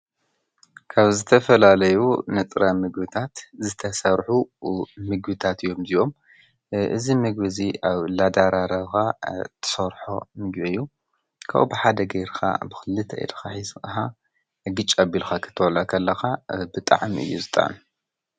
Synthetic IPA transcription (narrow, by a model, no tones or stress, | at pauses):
kʰaβzɨt̪ʰɐfɐlalɐjunɨt͡s̪ʼɾamɨɡbɨt̪ʰat̪zɨt̪ʰɐsɐɾħumɨɡbɨt̪ʰat̪ɨjːo̞mziʔo̞m | ʔɨ̰zimɨɡbɨziaβlad̪aɾaɾɐβxat̪ʰɨ̥sɐɾħo̞̰mɨɡbeɨjːu | kʰa̰ʔṵbɨħad̪ɐɡɐjɾxa̰bɨxɨlːɨt̪ʰɐ̰j̰d̪xaħizxa | ɡɨt͡ʃʼɐbilxakʰɨ̥t̪ʰːɐwɐlakʰɐlːɐxabɨt̪ʼa̰ʕmɨ̰jːuzɨt̪ʼa̰ʕm